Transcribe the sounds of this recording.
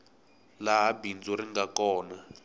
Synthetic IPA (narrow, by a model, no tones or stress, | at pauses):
laɦabind͡zɔɾiŋɡakɔːna